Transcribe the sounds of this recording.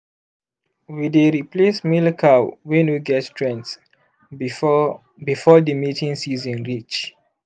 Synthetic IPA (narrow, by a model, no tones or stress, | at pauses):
wideɹiplesmilkʰalwɛ̃nwiɡɛtstɹɛ̃nts | bifɔdəmitʰĩŋsizɔ̃nɹit͡ʃ